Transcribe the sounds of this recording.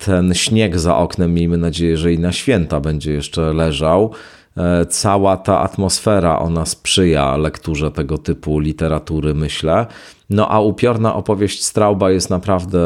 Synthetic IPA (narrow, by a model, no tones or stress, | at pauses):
t̪ʰɛnɕɲɛɡza̰ʔɔknɛmːʲjejmɘnad͡ʑejɛʐɛinaɕfʲjɛnt̪abɛɲd͡ʑɛjɛʂt͡ʂɛlɛʐaw | t̪sawat̪aʔa̰t̪mɔsfɛɾa̰ʔɔ̰naspʂɘja̰lɛkt̪uʐɛt̪ɛɡɔt̪ɘpulʲit̪ɛɾat̪uɾɘmɘɕlɛ | nɔʔaupʲjɔɾnaʔɔpɔvʲjeɕt͡ɕst̪ɾawbajɛst̪napɾavd̪ɛ